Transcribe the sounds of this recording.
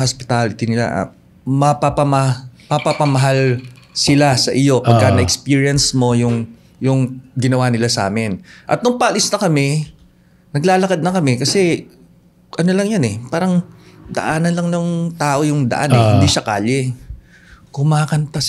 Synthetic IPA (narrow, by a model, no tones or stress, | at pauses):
hospɪ̥t̪alɪt̪ɪnɪla̰ʔa̰ | mɐpɐpɐmɐmɐpapɐmɐɦalsɪlasɐʔɪjo̞pɐɡkːɐnɐʔɛkspiːɹijɐnsmo̞jʊŋ | jʊŋɡɪnɐwaːnɪlasa̰ːmɛnʔɐ̰t̪̚nʊŋpɐʔɐlɪsnɐkɐmɛ | nɐɡlaːlɐkad̪̚nɐkɐmɛkɐsɛ | ʔɐnolɐŋjonɛpaːɾɐŋd̪ɐ̰ʔaːnɐnlɐŋnʊŋt̪aːʔo̞jʊŋd̪ɐ̰ʔanɛhɪnd̪iʃɐkaːʎɛ | kʊmaːkɐnt̪a